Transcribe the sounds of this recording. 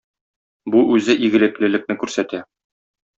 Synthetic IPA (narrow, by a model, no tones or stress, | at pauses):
buʔʉzɘʔiɡɘ̆lɘ̆klɘ̆lɘ̆k̚nɘkʉɾsæt̪æ